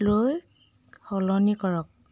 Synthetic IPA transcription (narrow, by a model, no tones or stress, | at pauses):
loj | hɔlɔnikɔɹɔk̚